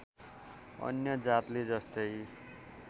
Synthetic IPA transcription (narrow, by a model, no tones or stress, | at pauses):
ʌ̰njʌd͡zat̪led͡zʌst̪ʌj